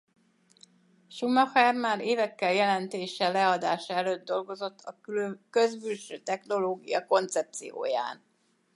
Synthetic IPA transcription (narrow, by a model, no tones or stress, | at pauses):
ʃumɒxɛrmaːɾeːvɛkːɛljɛlɛnt̪eːʃɛlɛɒd̪aːʃɒɛløːd̪̚d̪ːo̞lɡo̞zo̞t̪ʰːɒkøzbylʃøːt̪ɛxno̞loːɡḭjɒko̞nt̪sɛp̚t̪sijo̰ːja̰ːn